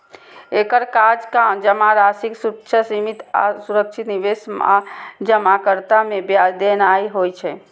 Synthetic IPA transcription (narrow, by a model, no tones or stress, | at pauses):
ekəɾkad͡ʒkad͡ʒəmaɾasiksukt͡ʃʰəsimit̪a̰suɾək̚t͡ʃʰit̪niʋesma̰d͡ʒəmakəɾt̪amebjad̪enaiɦojt͡ʃʰɛ